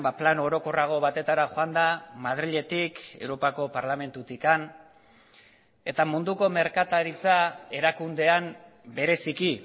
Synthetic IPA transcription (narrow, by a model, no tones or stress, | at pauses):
baplano̞ɾo̞ko̞raɣ̞o̞βat̪e̞t̪aɾaxoand̪amaðɾiʎe̞t̪ike̞̰wɾo̞pako̞paɾlame̞nt̪ut̪ikan | e̞t̪amund̪uko̞me̞ɾkat̪aɾit͡sae̞ɾakund̪e̞am | be̞ɾe̞siki